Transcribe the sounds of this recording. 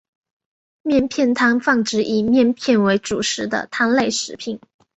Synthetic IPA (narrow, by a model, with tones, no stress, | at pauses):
mjɛ˥˧npʰjɛ˥˧nt̪ʰa˥nfɑ˥˩ŋʈ͡ʂɻ̩˧˥ʔi˨˩mjɛ˥˧npʰjɛ˥˩nwe˧˥ɪʈ͡ʂu˨˩ʂɻ̩˧˥d̪ə̰˧t̪ʰa˥nle˥˧ɪʂɻ̩˨˧˥pʰi˨˩˦ŋ